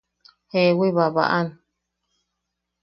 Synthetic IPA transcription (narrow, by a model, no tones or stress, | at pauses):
hewiβaβa̰ʔan